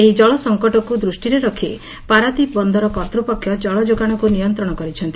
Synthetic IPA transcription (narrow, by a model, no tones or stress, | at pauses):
eɦid͡ʒɔɭɔsɔŋkɔʈɔkud̪ɾusʈiɾeɾɔkʰi | paɾad̪ibɔnd̪ʱɔɾɔkɔt̪ɾupɔkʰːjɔd͡ʒɔɭɔd͡ʒoɡaɽ̃ɔkunijɔnt̪ɾɔɽ̃ɔkɔɾit͡ʃʰɔnt̪i